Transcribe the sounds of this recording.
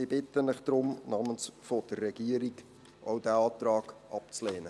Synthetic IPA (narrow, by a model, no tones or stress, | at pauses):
ɪbɪt̪ːənɪχd̥̪ɾʊmnɑːmənsfod̥ərːɛɡ̥iəɾiɡ | ʔɔwdæɑːt̪ɾɑːɡʔɑp̚t͡slɛːnə